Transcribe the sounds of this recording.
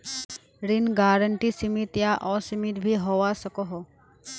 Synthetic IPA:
ɾɪnɡaːɾəɳʈisɪmɪt̪jaʔɔːsɪmɪt̪bʱiɦoːʋasɐkoɦo

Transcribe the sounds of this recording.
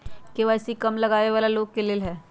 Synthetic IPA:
keʋaːsikɐmlɐɡaːeʋaːlaloːɡkeleːlɦɛ̃ː

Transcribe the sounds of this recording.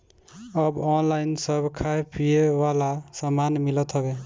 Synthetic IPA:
əbɔnlainsəbkʰaepijewalasəmanmilət̪ɦəbe

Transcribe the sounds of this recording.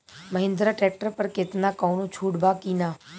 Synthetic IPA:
məɦɪ̃nd̪ɾaʈɾɛːk̚ʈəɾpɐɾkɪt̪nakaːnõt͡ʃʰuːɽbaːkinaː

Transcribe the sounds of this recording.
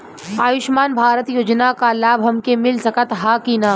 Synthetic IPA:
aːjɪʃmaːnbʱaːɾət̪joːd͡ʒnakalaːbʱɦɐmkemɪlsɐkət̪ɦaːkiːnaː

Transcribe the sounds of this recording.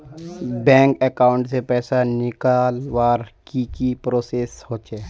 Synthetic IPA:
bɛ̃ːŋkɛkaːʊ̃ɳʈsepɛːsanɪkaːlʋaːɾkikipɾoːseːshoːt͡ʃeː

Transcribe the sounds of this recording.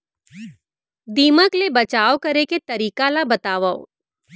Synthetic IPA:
d̪iːməklebɐt͡ʃaːokɐɾeket̪ɐɾiːkalabɐt̪aːʋao̰

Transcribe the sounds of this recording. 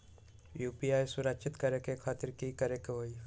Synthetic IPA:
juːpijaːjsʊɾəkt͡ʃɪt̪kɐɾekekʰaːt̪ɪɾkikɐɾekɦoːi

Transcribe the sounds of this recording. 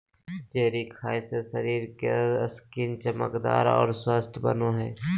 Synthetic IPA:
d͡ʒeːɾikʰaːjsesəɾiːɾkeəskiːnt͡ʃəmə̰kd̪a̰ːɾɔ̰ːɾswəst̪ʰbə̰noɦɛː

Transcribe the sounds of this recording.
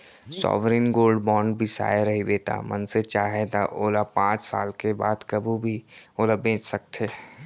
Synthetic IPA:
sɔ̰ːʋɾiːnɡoːlɖbɔ̃ːɳɖbʱisa̰ːeɾɐɦibeːt̪a̰ːmɐnset͡ʃaːɦet̪aʔoːlapãːt͡ʃsa̰ːlkeba̰ːd̪kɐbʱubʱioːlabẽːt͡ʃsɐk̚t̪ʰeː

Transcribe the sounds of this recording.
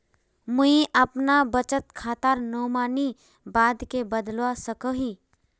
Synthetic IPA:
muĩʔəpnabət͡ʃət̪kʰaːt̪aɾnoːmaːni | baːd̪kebəd̪lwasəkəɦi

